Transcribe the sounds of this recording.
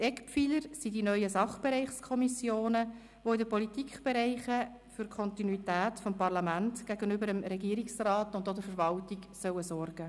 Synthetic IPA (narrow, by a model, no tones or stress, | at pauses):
ɛkpfiləɾsidinœʏjəsɑχb̥ɛɾɛɪχskʰɔmisjoːnə | ʋoidəpɔlitikχb̥ɛɾɛɪχə | fʏɾkʰɔntinuitæːtfɔmpɑrlɑmæntɡ̥æɡənʏbəɾəmɾɛɡiːɾiksrɑːtʊndodəɾfəɾvɑltiɡsœwəsɔrɡ̥ə